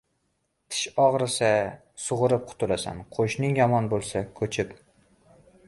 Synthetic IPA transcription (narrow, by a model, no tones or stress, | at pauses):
t̪ʰɪ̥ʃɒʁɾɪsa | sʊʁʊɾɪp̚qʰʊ̥t̪ʰʊlasa̰nqʰoʃnɪŋjɒmɒnbolˠsakʰɵt͡ʃʰɪp